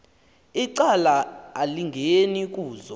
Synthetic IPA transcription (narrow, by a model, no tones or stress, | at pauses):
iǀalaːliŋɡʱenik̬ʼuːzɔ